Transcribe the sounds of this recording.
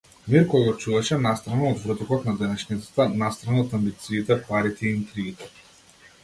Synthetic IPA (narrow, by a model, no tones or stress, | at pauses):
miɾkɔɡat͡ʃuvaʃɛnast̪ɾanaɔd̪vɾɤt̪ɔkɔt̪nad̪ɛnɛʃnit̪ḁt̪anast̪ɾanaːt̪ambit̪siːt̪ɛpaɾit̪ɛiint̪ɾiːt̪ɛ